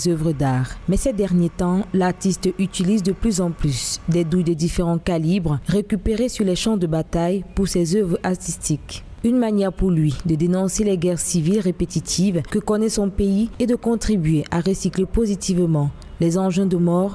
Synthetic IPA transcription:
zœvʁəd̪aːʁmɛsɛd̪ɛʁnjet̪ɑ̃laʁt̪ist̪yt̪ilizd̪əplyzɑ̃plysd̪ɛd̪ud̪ɛd̪ifeʁɑ̃kalibʁəʁekʲypeʁesyʁlɛʃɑ̃d̪əbat̪ajpuʁsɛzœvʁaʁt̪ist̪ik | ynmanjɛʁpuʁlɥid̪əd̪enɔ̃selɛɡɛʁsivilʁepet̪it̪ʰivkəkɔnɛsɔ̃peied̪əkɔ̃t̪χibɥeʔaʁəsiklepozit̪ivmɑ̃ | lɛzɑ̃ʒɛ̃d̪əmɔʁ

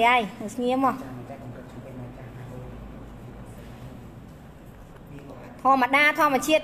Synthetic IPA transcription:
ʔajnəsʰɲiəmːɔ | t̪ʰŏəmːəɗaːt̪ʰŏəmət͡ɕiət̪̚

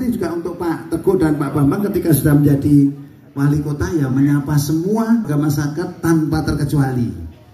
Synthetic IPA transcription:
t̪id͡ʒuɡaunt̪ʊk̚paʔt̪əɡ̥ʊʔdanpaʔbambaŋkət̪ikasudahməɲd͡ʒadi | walikot̪ajaməɲapasəmuaɡamasakat̪ːanpat̪ərkət͡ʃualḭ

